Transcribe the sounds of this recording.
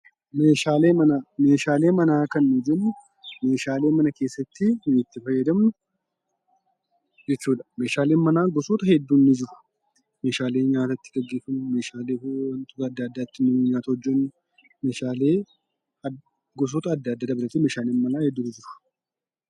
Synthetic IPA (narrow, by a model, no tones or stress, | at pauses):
meːʃaːleːmɐname̞ːʃaːle̞ːmɐnaːkɐnːɪd͡ʒɛnːʊ | me̞ːʃaːle̞ːmɐnɐkeːsːɐt̪ːɪnɪɪt̪ːɪfɐjːɛd̪ɐmnʊ | d͡ʒɛt͡ʃːuːd̪ɐ̥me̞ːʃaːle̞ːnmɐnaːɡɔsoːt̪ɐhɛd̪ːunːɪd͡ʒɪɾʊ̥ | me̞ːʃaːle̞ːɲaːt̪ɐt̪ːɪɡɐɡːeːfɐnme̞ːʃaːleːwɐnt̪ʼuːt̪ɐd̪ːɐd̪ːɐt̪ːɪnɪɲaːt̪ɐhɔd͡ʒːɐnːʊ | me̞ːʃaːleː | ɡɔs̬ot̪ɐːd̪ːɐːd̪ːɐd̪ɐbɪɾɐt̪ːɪme̞ːʃaːleːnmɐnaːhɛd̪ːunɪd͡ʒɪɾʊ̥